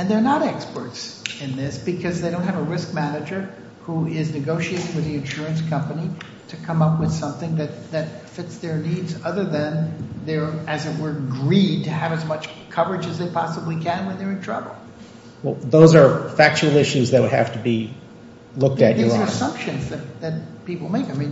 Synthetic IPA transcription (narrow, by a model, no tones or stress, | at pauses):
ɨ̃nðə˞nəɾɛkspə˞tsɨ̃nðɪsb̥ɨkʰʌzðeɪɾõʊ̃nthɨvəɹɪsk̚mænɨd͡ʒə˞ | huɪznɨɡoʊʃieɪɾɪ̃ŋwɨðiɨ̃nʃʊɹɨ̃nskʰʌ̃mpɨni | ɾɨkʰʌ̃mʌpwɨð̥sʌ̃mθɪ̃ŋðɨt̪̚ðɨt̚fɪtsðə˞nidzʌðə˞ðɨ̃nðə˞ɨzɨt̚wə˞ɡɹid̚tɨɨvɨzmʌt͡ʃkʰʌvə˞ɨd͡ʒɨzðeɪpʰɑsəblikʰɨ̃nwə̃nðə˞ɨ̃ntʰɹ̥ʌ̰bl̩ˠ | wɛlˠðoʊzə˞fæk̚t͡ʃul̩ˠɪʃʉzðɨt̚wɨdhæ̰ftəbi | lʊk̚tɨt͡ʃə˞zə˞ɨsʌ̃mpʃɨ̃nzðɨt̚ðɨt̚pipl̩ˠmeɪkaɪmĩn